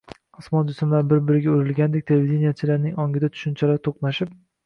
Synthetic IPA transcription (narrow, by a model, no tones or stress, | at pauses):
ʊsmɒnd͡ʒʊsɪmlaɾbɪɾbɪɾɪɡʲaoɾɪlɡʲand̪ekʲt̪ʰelevid̪enijat͡ʃʰɪlaɾnɪŋɒŋɡʲɪd̪at̪ʰʊ̥ʃɪnt͡ʃʰalaɾt̪ʰoqnaʃɪp̚